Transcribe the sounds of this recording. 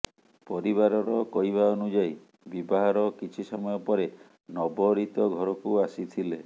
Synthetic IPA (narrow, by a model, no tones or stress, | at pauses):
pɔɾiβaɾɔɾɔkɔjβaɔnud͡ʒaj | bibɔɦaɾɔkit͡ʃʰisɔmɔjɔpɔɾe | nɔbɔɾit̪ɔɡʱɔɾɔkuasit̪ʰile